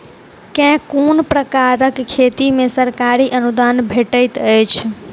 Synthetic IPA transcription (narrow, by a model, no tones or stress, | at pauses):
kɛ̃konpɾəkaɾəkkʰːet̪imesəɾkaɾiʔənud̪anbʱeʈəjt̪əjt͡ʃʰ